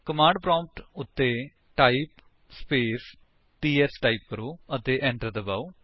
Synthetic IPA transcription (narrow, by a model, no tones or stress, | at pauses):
kəmãːɳɖ̚pɾɔ̃ːmp̚ʈʊt̪ːe | ʈaːip | speːs | ʈiːesʈaːip̚ːəɾuːət̪eʔɛ̃ːɳʈəɾd̪əbaw